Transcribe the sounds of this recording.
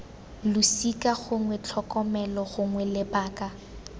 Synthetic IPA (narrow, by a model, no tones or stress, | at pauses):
lʊsikʼaɣʊŋwɛt͡ɬʰɔkʼɔmɛlɔɣʊŋwɛlɪpaːkʼa